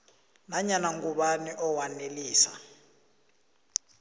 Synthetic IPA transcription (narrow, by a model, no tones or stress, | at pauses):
naɲanaŋɡuɓaniʔɔwaneliːsa̰